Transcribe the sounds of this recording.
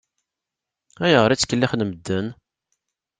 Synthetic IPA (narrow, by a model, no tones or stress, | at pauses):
æjəʁəɾit͡sːkːəlːiχnəməd̪ːən